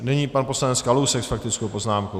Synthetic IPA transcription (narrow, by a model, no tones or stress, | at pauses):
nɛɲiːpanpo̞slanɛt͡skalusɛksfak̚t̪ɪt͡skowpo̞znaːmkow